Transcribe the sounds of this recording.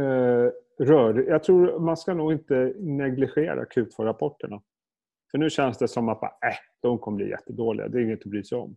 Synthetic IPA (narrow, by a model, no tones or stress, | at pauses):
ɛ | ɾœːɖɪjaːɡ̚t̪ʰɾuːɾmanskanuːɡɪnt̪ənɛɡlɪɧeːɾa̰kʰʉ̟ːt̪fœɾapʰɔʈːəɳa | fœɳʉ̟ːɕɛnsd̪ɛsɔmːat̪̚bɑ̰ːʔæd̪̥ɔmkʰɔməblḭːjɛ̰t̪ːəd̪oːlɪ̰ɡa̰d̪ɛɾɪŋːət̪ɔbɾyːsɛjɔ̰m